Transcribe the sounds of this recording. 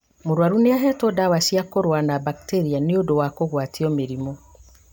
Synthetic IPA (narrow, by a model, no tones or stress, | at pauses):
moɾwaɾuneaɦɛtɔdawasiakoɾwanabakteɾianeodowakoɣwatiɔmeɾimɔ